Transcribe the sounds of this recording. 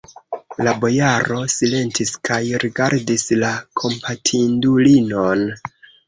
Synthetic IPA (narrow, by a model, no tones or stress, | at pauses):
labo̞jaɾʔo̞sile̞ntʰiskajɾiɡaɾdislakʰo̞mpʰatʰindulino̞n